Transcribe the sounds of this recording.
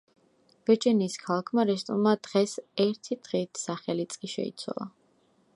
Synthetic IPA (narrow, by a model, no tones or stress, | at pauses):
v̥ɛt͡ʃʼɛniskʰalˠakʰmaɾɛst̪ʼuɾmad̪ʁɛsɛɾt̪ʰid̪̥ʁiːt̪ʰsaχɛlit̪sʼkʼiʃɛ̰ḭt̪sʰwa̰lˠa